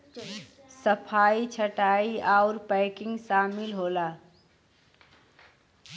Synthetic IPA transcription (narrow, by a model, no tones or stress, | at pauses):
səpʰait͡ʃʰəʈaiaʊɾpəɪkɪ̃ŋɡsaːmilɦola